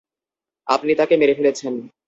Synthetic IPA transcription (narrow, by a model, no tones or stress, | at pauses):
a̰pnit̪akemeɾefelet͡ɕʰen